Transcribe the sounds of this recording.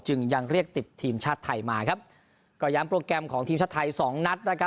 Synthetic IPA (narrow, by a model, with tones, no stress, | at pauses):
t͡ɕɯ˧ŋja˧ŋɾi˥˩ək̚t̪i˨˩t̪ʰːiː˧mt͡ɕʰaː˥˩t̪ʰːa˧jmaː˧kʰa˦˥p̚ | kɔː˧˩jaː˦˥mpɾoː˧kɾɛ˧mkʰɔː˩˦ŋt̪iː˧mt͡ɕʰaː˥˩t̪ʰa˧jsɔː˩˦ŋna˦˥t̪̚naː˥˩kʰa˦˥